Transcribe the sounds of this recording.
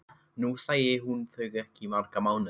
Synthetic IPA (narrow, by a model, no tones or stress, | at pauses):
nuθajeːɦunθəɡəkʰimarɡ̥amawn